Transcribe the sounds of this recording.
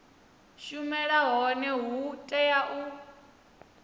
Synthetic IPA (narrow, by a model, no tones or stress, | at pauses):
ʃumɛɺaɦɔnɛɦutʼɛjaʔu